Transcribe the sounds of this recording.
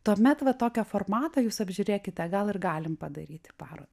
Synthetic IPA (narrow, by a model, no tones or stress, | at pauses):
t̪uɔmʲɛt̪ʋɐt̪oːkʲɛformɑːt̪ɐjuːsɐbʲʒʲʊɾʲeːkʲɪt̪ʲɛɡɐlˠɪrɡɑːlʲɪmpɐd̪ɐɾʲiːt̪ʲɪ̥pɑːɾo̰ːd̪ɐ